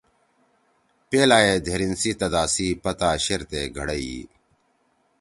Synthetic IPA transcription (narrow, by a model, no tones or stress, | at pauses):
peːlaːed̪ʱeɾinsit̪ɐd̪aːsiːpɐt̪aːɕeɾt̪eːɡʱɐɽɐi